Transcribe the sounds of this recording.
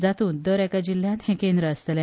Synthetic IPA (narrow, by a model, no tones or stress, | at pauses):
d͡zat̪uːnd̪əɾɛkad͡ʑil̤jãnt̪hɛ̃kẽnd̪ɾəːst̪əlã